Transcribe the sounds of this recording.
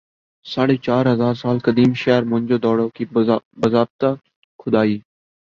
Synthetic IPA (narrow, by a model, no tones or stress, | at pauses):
saːɽeːt͡ʃaːɾɦəzaːɾsaːlkəd̪iːmʃɛːɾmʊ̃d͡ʒoːd̪ɔːɽoːkiːbəzaːb̚t̪aː | kʰʊd̪aːiː